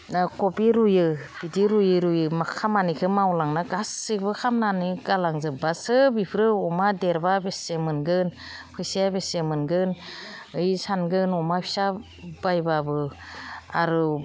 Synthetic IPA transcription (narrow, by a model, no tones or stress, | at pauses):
akopiɾujɯ | b̥idiɾujɯɾujɯmakʰamanikʰɯmawlaŋnaɡasɯbɯkʰamnaniɡalaŋzɯbasɯbipʰɾɯɔmadeɾbabesemɯnɡɯnpʰɯsiabesemɯnɡɯnɯjsanɡɯnɔmapʰi̥sa | bajbabɯ | a̰ɾu